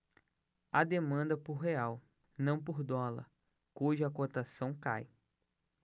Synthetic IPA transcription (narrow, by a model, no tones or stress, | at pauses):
ɐd̪emɐ̃nd̪ɐpoɾɦeaw | nɐ̃w̃poɾd̪ɔlɐ̰ | kuʒʊɐkot̪asɐ̃w̃ka̰j